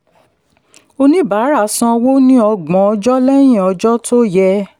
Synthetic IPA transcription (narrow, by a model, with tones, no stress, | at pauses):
o˧nĩ˦ba˨˦ɾa˦˨sã˧wo˦nĩ˦ɔ˧ɡ͡bɔ̃˨˦ɔ˧d͡ʒɔ˦lɛ˦j̃ĩ˦˨ɔ˨˧d͡ʒɔ˦tʰo˦jɛ˧